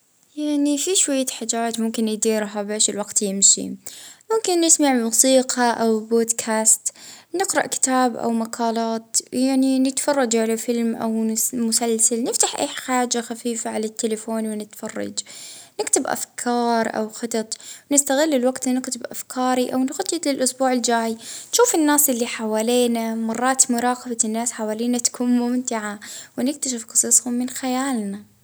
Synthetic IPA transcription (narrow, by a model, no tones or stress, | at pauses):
jaʕnifiʃwajːaħaːd͡ʒaːt̪mʊmkɪnjɪd̪iːɾɦabeːʃɪlwaɡt̪jɪmʃḭmʊmkɪnːɪsmaʕmuːsiːqaʔawboːd̪kʰaːst̪nɪqɾɑʔkɪ̥t̪aːbʔa̰wmaqʰɑːlɑːt̪jaʕninɪt̪fɑrˤːɑd͡ʒʕalafɪlmʔa̰wmʊsalsalnɪft̪aħʔḛːħħaːd͡ʒaxafiːfaʕalat̪ʰːelafoːnwɪnɪt̪fɑrˤːɑ̰d͡ʒnɪkt̪ɪbʔa̰fkʰɑːɾˤʔa̰wxɑt̪ˤɑt̪ˤwnɪst̪aɣɪlːɪlwaɡt̪nɪkt̪ɪbʔa̰fkʰɑːɾiʔa̰wnxʊt̪ˤːɪt̪lɪlʔʊsbuːʕɪld͡ʒaːjnʃuːfɪnːaːsʔɪlːiħawaːliːnamɑrˤːɑːt̪mʊɾˤɑːqɑbanːaːsħawaːliːnat̪ḁkʰuːnmʊmt̪ɪʕawɪnɪk̚t̪aʃɪfqɑ̥sˤɨːsˤhʊmːɪnxajaːlna